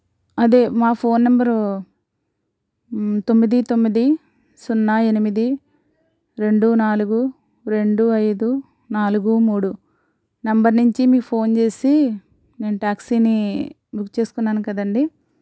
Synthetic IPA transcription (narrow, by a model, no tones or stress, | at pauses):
ɐd̪e̞ːmaːpʰo̞ːnːɐmbɐɾ | t̪o̞mːid̪it̪o̞mːid̪i | sunːaːe̞nimid̪i | ɾe̞ɳɖunaːluɡu | ɾe̞ɳɖuɐjd̪u | naːluɡumuːɽu | nɐmbɐɾnuɲt͡ʃimiːpʰo̞ːnt͡ʃe̞ːsi | ne̞ːnuʈaːksiːni | bʱukt͡ʃe̞ːsu̥kunːaːnukɐd̪ɐɳɖi